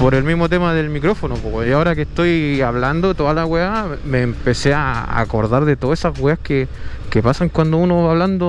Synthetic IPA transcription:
poɾe̞lmizmot̪emaðelmikɾo̞fonopoaoɾakeht̪o̞jaβland̪ot̪oðalaɣwea | meːmpe̞seaa̰ko̞̰ɾðaɾðet̪oesazɣweahke | kepasaŋkwand̪ounoβaːβland̪o

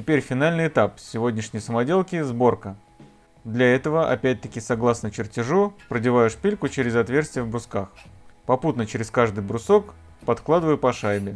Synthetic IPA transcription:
tʲɪpʲeɾʲfʲɪn̪alʲnɨjɪt̪apsʲɪvo̞dʲnʲɪʂnʲɪjsəmɐdʲe̞lˠkʲɪzbo̞rkə | d̪lʲɐɛt̪əvəʔɐ̰pʲæt̚ʲt̪əkʲɪsɐɡlˠasnət͡ɕɪrtʲɪʐupɾədʲɪvajʊʂpʲilʲkʊt͡ɕeɾʲɪzɐt̪vʲe̞rsʲt̪ʲɪjəvbɾʊskaxpɐput̪nət͡ɕɪɾʲɪskaʐd̪ɨjbɾʊso̞k | pɐt̪klˠad̪ɨvəjʊpɐʂajbʲɪ

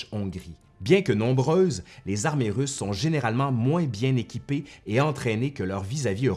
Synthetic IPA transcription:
ɔ̃ɡʁi | bjɛ̃kənɔ̃bʁøːzlezaʁmeʁysːɔ̃ʒeneʁalmɑ̃mwɛ̃bjɛ̃nekʲipeːɑ̃t̪χɛnekəlœʁvizaviø

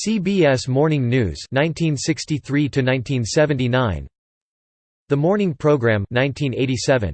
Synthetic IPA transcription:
sibiɛsmɔɹnɪ̃ŋnʉ̰z̥nãɪ̃ntʰĩnsɪkstiθɹiɾɨnãɪ̃ntʰĩnsɛvɨ̃ntinãɪ̃n | ðəmɔɹnɪ̃ŋpʰɹ̥oʊɡɹæ̃mnãɪ̃ntʰĩneɪɾisɛvɨ̰̃n

